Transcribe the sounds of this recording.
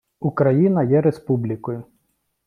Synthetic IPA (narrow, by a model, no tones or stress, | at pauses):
ukɾɐjinɐjɛɾespublʲikɔjʊ